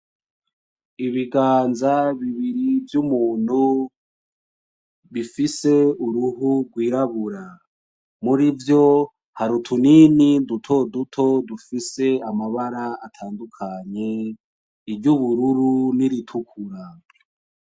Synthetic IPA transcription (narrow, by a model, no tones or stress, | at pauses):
iβiɡaːnzaβiβiɾivjumuːn̥hu | βifise̞uɾuɦuɡwiːɾaβuɾa | muɾivjo̞ | haɾutʰuninindutʰo̞dutʰo̞dufise̞amaβaɾaatʰaːndukʰaɲe̞ | iɾɟuβuɾuɾuniɾitʰukʰuɾa